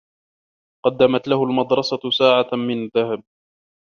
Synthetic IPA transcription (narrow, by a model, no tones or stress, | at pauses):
qɑd̪ːamat̪lahʊlmɑd̪ɾˤɑsasaːʕamɪnaðːahab̚